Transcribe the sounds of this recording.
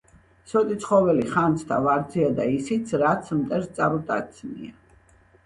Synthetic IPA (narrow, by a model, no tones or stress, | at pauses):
sɔt̪ʼit̪sʰχɔvɛliχant̪sʰt̪ʰa̰vaɾd̪ziad̪aisit̪sʰɾat̪sʰmt̪ʼɛɾst̪sʼaɾut̪ʼa̰t̪sʰnḭa